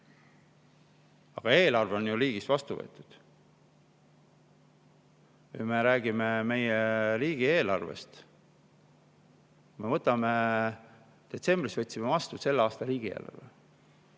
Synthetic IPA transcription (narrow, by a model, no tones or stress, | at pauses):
ɑɡ̥ɑe̞ːlɑrve̞o̞njuliːɡ̥isvɑst̪uvɤ̰ːt̪ːˑud̪̥ | kujme̞ɾæːɡ̥ime̞me̞jeɾiːɡ̥ie̞ːlɑrvḛst̪ | me̞vɤt̪ːˑɑme̞ | d̪̥e̞t̪se̞mbrisvɤt̪ʲːsimevɑst̪use̞lːeɑːst̪ɑɾiːɡ̥ie̞̰ːlɑ̰rvḛ